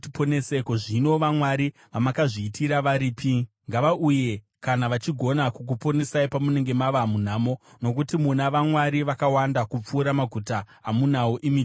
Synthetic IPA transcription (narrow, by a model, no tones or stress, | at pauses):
tiponesekoʐino̞ʋamwaɾi | ʋamakaʐiːtʰiɾaʋaɾiːpʰi | ŋɡaʋaʔuje̞ | kanaʋat͡ʃiɡʱo̞nakuk̬upo̞nesaipamune̞ŋɡe̞maʋamun̤aːmo̞no̞k̬utimunaʋamwaɾiʋakawandakup͡fuːɾamaɡʱutaː | munawoʔimi